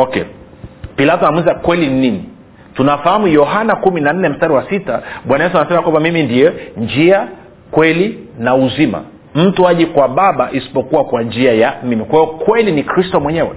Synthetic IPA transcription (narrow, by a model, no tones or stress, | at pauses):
ɔkɛ̰ | pilatɔanamwinzakwɛlininini | tunafahamujɔɦanakuminan̩nɛm̩staɾiwasitaɓwanajɛs̬uanasɛmakwambamimindijɛnd͡ʒia | kwɛlinauzima̰ | m̩tuaʄikwaɓaɓaʔisi̥pɔkuwakwand͡ʒiajamimikwahiɔkwɛlinikɾistɔmwɛɲɛwɛ̰